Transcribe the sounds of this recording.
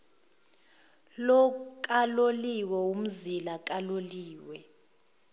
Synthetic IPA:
lɔk̬ʼaloliwɛum̩zilak̬ʼaloliːwɛ

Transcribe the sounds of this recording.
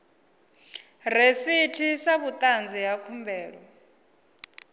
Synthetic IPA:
resitʰisaβut̪ʼand͡zijakʰumbɛːɺɔ

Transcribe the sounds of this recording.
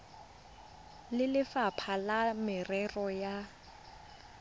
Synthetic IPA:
lɪlɪfapʰalamɪrɛrɔja

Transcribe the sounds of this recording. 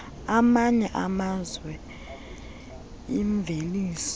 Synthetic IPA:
amaɲɛʔamazwɛ | iɱb̪vʱeliːs

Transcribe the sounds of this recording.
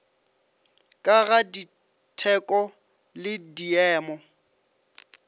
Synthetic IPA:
kʼaɣadi | tʰɛkʼɔ | lɪdiɛːmɔ

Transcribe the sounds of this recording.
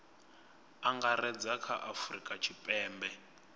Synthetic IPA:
aŋɡarɛd͡zakʰa̰ʔafrikʼat͡ʃʰipʼɛːmbɛ

